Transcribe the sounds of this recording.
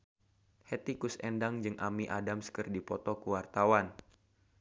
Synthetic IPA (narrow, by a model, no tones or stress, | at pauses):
hɛt̪ikusɛndaŋd͡ʒɨŋʔamiʔadamskɨrdipɔt̪ɔkuwart̪awan